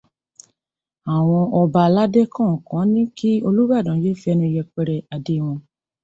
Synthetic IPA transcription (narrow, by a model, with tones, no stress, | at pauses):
a˨w̃ɔ̃˧ʔɔ˧ba˧la˦de˦kʰã˦˨ɔ̃˨kã˨˦nĩ˦ki˦o˧lu˦ba˦˨dã˨˦je˦fi˧ɛ˧nĩ˧i˧jɛ˧k͡pɛ˧ɾɛ˨a˨de˨˦w̃ɔ̃˧